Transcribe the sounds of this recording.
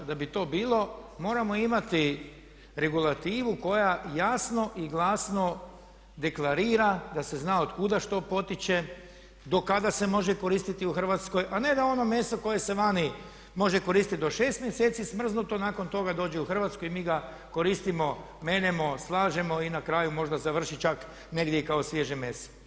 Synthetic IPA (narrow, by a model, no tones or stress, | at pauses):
d̪abit̪o̞ːbiːlˠo̞mo̞ːɾamo̞imat̪i | ɾe̞ɡulat̪iːʋuko̞jajasno̞ʔiɡlˠaːsno̞ | d̪e̞klˠaɾiːɾad̪ase̞znaːod̪kud̪aʃt̪o̞po̞t̪it͡ɕe̞ | d̪o̞kad̪ase̞mo̞ʒeko̞ɾiːst̪it̪iuxr̩ʋat̪sko̞jʔane̞d̪ao̞no̞mje̞ːst̪o̞ko̞je̞se̞ʋani | mo̞ʒeko̞ɾist̪it̪d̪o̞ʃe̞ːst̪mjeseːt̪sismr̩znut̪o̞naːko̞nt̪o̞ɡad̪o̞ːd͡ʑeuxr̩ʋat̪skojimiːɡa | ko̞ɾiːst̪imo̞ | me̞ːnemo̞slˠaːʒemo̞inakɾaːjumo̞ʒd̪azaʋr̩ʃit͡ʃak | ne̞ɡd̪jeikao̞sʋjeʒemest̪o̥